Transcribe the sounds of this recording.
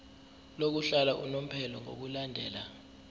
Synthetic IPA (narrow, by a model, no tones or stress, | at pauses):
lok̬uɬalaʔṵnom̩pʰɛlɔŋo̰k̬ulandʱɛ̰ːla